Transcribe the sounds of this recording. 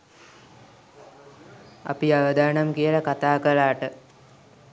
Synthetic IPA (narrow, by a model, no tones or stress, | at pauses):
a̰piaʋəd̪aːnamkijəlakat̪aːkəlaːʈə